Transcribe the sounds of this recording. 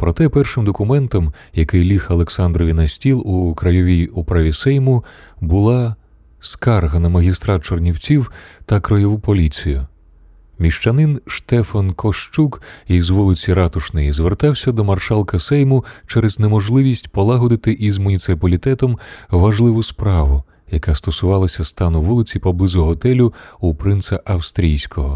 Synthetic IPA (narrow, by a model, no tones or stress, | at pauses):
pɾɔt̪ɛpɛrʃɪmd̪ɔkʊmɛnt̪ɔmjɐkɪjlʲixɐlˠeksɑnd̪ɾɔʋʲinɐsʲtʲilˠukɾɐjɔʋʲijupɾaʋʲisɛjmʊbʊlˠɑ | skɑrɦɐnɐmɐɦʲist̪ɾɑt͡ʃɔrnʲiwt͡sʲiwt̪ɐkɾɔjɔʋupɔlʲit͡sʲijʊ | mʲiʃt͡ʃɐnɪnʃt̪ɛfɐnkʰɔʃt͡ʃukizʋulˠɪt͡sʲiɾɑt̪ʊʃnɪjizʋert̪ɑwsʲɐd̪ɔmɐrʃɑlˠkɐsɛjmʊt͡ʃɛɾɛznemɔʒlˠɪʋʲisʲtʲpɔlˠaɦɔd̪ɪt̪ɪʔizmʊnʲit̪sɪpɐlʲit̪ɛt̪ɔmʋɐʒlˠɪʋʊspɾɑʋʊ | jɐkast̪ɔsʊʋɑlˠɐsʲɐst̪ɑnʊʋulˠɪt͡sʲipɔblˠɪzʊɦɔt̪ɛlʲʊupɾɪnsɐʔɐwst̪ɾʲijsʲkɔɦɔ